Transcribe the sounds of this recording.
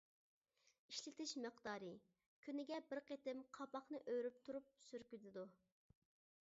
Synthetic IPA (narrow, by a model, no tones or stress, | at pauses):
iʃlɪt̪ɪʃməqd̪ɑːɾɨ | kʲʰynɪɡʲɛbɪɾqet̪ɪmqʰɑpɑχnɨʔøɾyp̚t̪ʰuɾup̚syɾkʲyt̪ɪd̪u